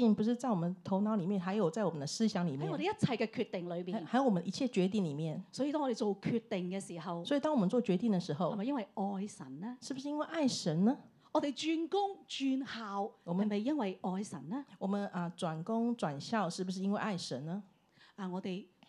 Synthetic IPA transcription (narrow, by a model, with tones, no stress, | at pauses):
i˥˩npu˧˥ʂ̬ɻ̩˥˧t͡sa˥˩ɪwɔ˨˩mə˨˩nt̪ʰo˧˥ʊnɑ˧˥ʊli˨˩mjɛ˥˨nxa˧˥ɪjo˨˩ʊt͡sa˥˩ɪwɔ˨˩mə˦nd̪ə˧sɹ̩˥ɕjɑ˧˥ŋli˨˩mjɛ˨˥ŋ˥˨ɔ˧d̪e˨jɐ˥t̚t͡sʰɐ˨˧jkɛ˧kʰy˧t̪ɪ˨ŋlɵ˨˧ɥpiː˨˩nxa˧˥jo˨˧ʊwə˦nə˨i˧˥t͡ɕʰjɛ˥˩t͡ɕɥɛ˧˥t̪̬i˥˩ŋli˨˩mjɛ˥˩nsɔː˨˧˥ji˨˧t̪ɔː˥ŋːɔ˧te˨jt͡ʃo˨˩wkʰyː˧t̚t̪ɪ˨ŋkɛ˧siː˨˩ɦɐ˨wswɔ˧˥i˨˩t̪ɑ˥ŋwɔ˨˩ə˦nt͡swɔ˥˩t͡ɕɥɛ˧˥t̪i˥˩ŋd̪ə˩ʂɻ̩˧˥xo˧ʊ˨mɐ˨jɐ˥nwɐ˨˩jɔː˧jsɐ̰˨˩nnɛ˥ʂɻ̩˥˩bu˩ʂɻ̩˥˧i˥nwe˥˧ɪʔa˥˩ɪʂə˧˥nnə˦ | ŋɔ˨˧t̪e˨˩jt͡ʃyː˧nkʊ˥ŋt͡ʃyː˧nhaː˨wwɔ˨˩mə˧˨mɐ˨˩jːɐ˥nwɐ˨jɔː˧jsɐ˨˩nnɛ˥wɔ˨˩mə˦nə˧t͡swa˨˩nkʊ˥ŋt͡swa˨˩nɕjɑ˥˧ʊʂɻ̩˥˩bu˩ʂ̬ɻ̩˥˧i˥nwe˥˧ʔa˥˩ɪʂə˧˦nnə˧ | ʔɐ˨ŋɔː˨˧t̪e˨j